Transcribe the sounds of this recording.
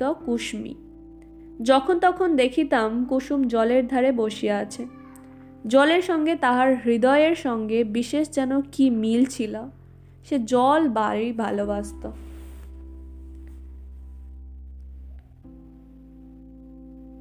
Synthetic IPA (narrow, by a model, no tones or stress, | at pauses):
ɔkuʃmḭ | d͡ʑɔkʰont̪ɔkʰond̪ekʰit̪amkuʃumd͡ʑɔleɾd̪ʱaɾeboʃieat͡ɕʰe | d͡ʑɔleɾʃɔŋɡet̪aɦaɾɦɾid̪ɔeeɾʃɔŋɡebiʃeʃd͡ʑɛnokimilt͡ɕʰila | ʃed͡ʑɔlbaɾijbʱa̰lobast̪o